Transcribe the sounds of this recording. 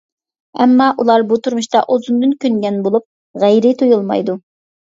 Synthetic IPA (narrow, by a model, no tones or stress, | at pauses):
ɛmːɑʔulˠɑɾbut̪ʰuɾmuʃt̪ɑʔozund̪ɨnkʲynɡʲɛnbolˠup̚ | ʁæjɾɪt̪ʰojulˠmɑ̰jd̪u